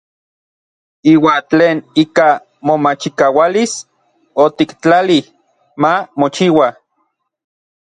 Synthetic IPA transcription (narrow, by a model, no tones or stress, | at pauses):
iːwaːnt͡ɬeːniːka | momat͡ʃikawalis | ot̪ikt͡ɬali | mamot͡ʃiwa